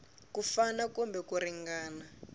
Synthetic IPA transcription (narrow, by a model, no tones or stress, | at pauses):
kufanakɔmbɛkuɾiŋɡaːna